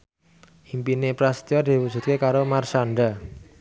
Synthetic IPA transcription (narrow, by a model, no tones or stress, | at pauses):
ʔimpinepɾast̪iɔd̪̥i̤wud̥ʒ̥ṳt̪̚kekaɾomarsaɳɖa